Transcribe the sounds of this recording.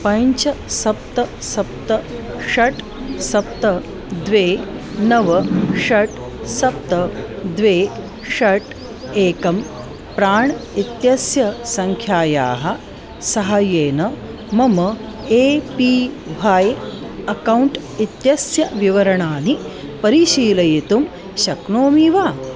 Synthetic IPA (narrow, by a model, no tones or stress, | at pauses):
pɐ̃ɲt͡ʃɐsɐp̚t̪ɐsɐp̚t̪ɐʂɐʈ | sɐp̚t̪ɐ | d̪ʋeːnɐʋɐʂɐʈ | sɐp̚t̪ɐd̪ʋeː | ʂɐʈ | eːkɐm | pɾaːɳit̪jɐsjɐsɐŋkʰjaːja̰ːɦɐ | sɐɦɐjeːnɐ | mɐmɐ | eːpi | ʋaːj | ɐkɐwɳʈ | it̪jɐsjɐʋiʋɐɾɐɳaːnipɐɾiʃiːlɐjit̪um | ɕɐkɳoːmiʋaː